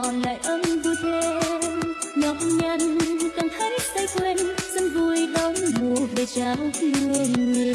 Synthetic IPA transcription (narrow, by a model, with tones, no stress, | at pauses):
la̰ː˧˨jʔə˧nɗu˧t̪ʰe˧ | ɲɔ˨˦mɲaː˧˩n˧˩kaː˨˩ŋhaː˧˥jt̪a˧jkwe˧nsə˧nvu˧˩əjɗə˨˦wŋ͡mɓu˨˩ək̚ve˨˩t͡ɕaː˨˦wtɨ˧əŋi˨˩